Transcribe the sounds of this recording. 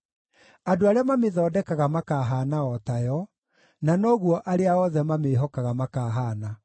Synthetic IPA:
adoaɾeamameðɔːdɛkaɣamakaːɦaːnaɔtajɔ | nanɔɣwɔʔaɾeaɔðɛmameːɦɔkaɣamakaːɦaːna

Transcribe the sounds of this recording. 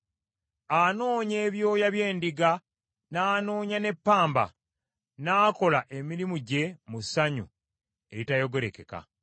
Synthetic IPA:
ano̞ːɲe̞ːβjo̞ːjaβje̞ːndiɡa | naːno̞ːɲane̞pːaːmba̰ | naːko̞laʔe̞miɾimuɟe̞musaɲṵ | e̞ɾitajo̞ɡe̞ɾeke̞ka̰

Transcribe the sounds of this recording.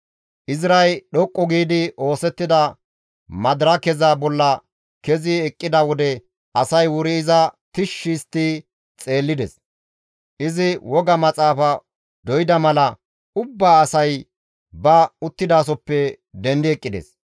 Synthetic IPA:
ʔɪzɾɐjɗɔkʼːɔɡiːd̪ɪʔo̞ːsɛt̪ːɪd̪ɐ | mɐd̪ɾɐkɛzabɔlːɐ | kɛzɪɛkʼːɪd̪ɐwɔd̪ɛ | ʔɐsɐjwʊɾɪːzɐt̪ɪʃːist̪ːi | t͡sʼe̞ːlːɪd̪ɛ̰s | ʔɪzɪwɔɡɐmɐt͡sʼaːfɐ | d̪ɔjd̪ɐmɐlɐ | ʊbːaːsɐj | bɐʊt̪ːɪd̪aːs̬ɔpːɛ | d̪ɛnd̪ɪɛkʼːɪd̪ɛ̰s

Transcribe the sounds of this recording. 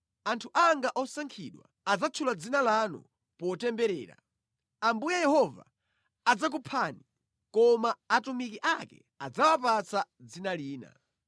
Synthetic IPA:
antʰuʔaŋɡaʔɔsaŋkʰiɗwa̰ | ad͡zat͡ʃʰulad͡zinalanṵ | pɔtɛmbɛɾɛ̰ːɾa̰ | ambujajɛhɔva̰ː | d͡zak̬upʰani | kɔmaːtumikiʔakɛ̰ | ad͡zawapat͡sʰad͡zinaliːna̰

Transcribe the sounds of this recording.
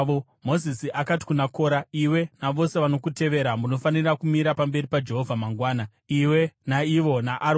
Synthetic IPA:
o | mo̞zisiʔakati̥kunako̞ːɾaiwe̞naʋo̞se̞ʋano̞kute̞ʋe̞ɾamuno̞fanirakumiɾapambe̞ɾipad͡ʒe̞ɦo̞vʱamaŋɡwaːna | iwe̞naiʋo̞naʔaɾ

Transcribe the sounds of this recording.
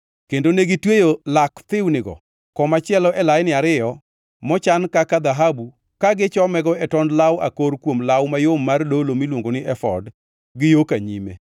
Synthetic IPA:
kendoneɡɪtwejolakt̪ɪwnɪɡɔ̰ | kɔmat͡ʃɪɛlɔʔɛlajnɪaɾɪjɔ | mɔt͡ʃankakad̪aɦabu | kaɡɪt͡ʃɔmɛɡɔɛtɔndlawa̰koɾkwomlawmajomːardolomilwoŋɡonɪʔɛfɔ̰d | ɡɪjokaɲimḛ

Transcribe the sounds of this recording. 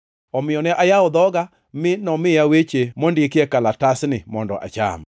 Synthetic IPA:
ɔmɪɔnɛʔajaʊd̪ɔɡa | mɪnɔmɪjawet͡ʃemondekɪɛkalatasnɪmɔndɔ̰ʔa̰t͡ʃa̰m

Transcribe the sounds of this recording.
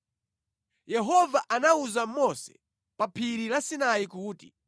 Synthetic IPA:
jɛɦɔvaʔanauzamɔsɛ̥̰ | papʰiɾilasinajikuːtḭ

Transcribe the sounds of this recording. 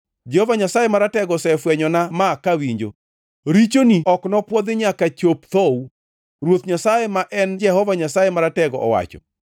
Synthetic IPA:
d͡ʒɛhɔvaɲasajemaɾatɛɡɔsɛfwɛɲɔnamakawiɲd͡ʒo̰ | ɾit͡ʃoniɔknɔpwɔd̪ɪɲakat͡ʃopt̪ɔw | ɾwot̪ɲasajemaʔɛnd͡ʒɛhɔvaɲasajemaɾatɛɡɔʔɔ̰wa̰t͡ʃɔ̰

